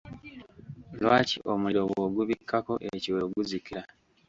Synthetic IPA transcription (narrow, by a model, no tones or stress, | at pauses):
lwaːcḭʔo̞muliɾoβwoɡuβikʰːako̞ʔeciweɡuzikiɾa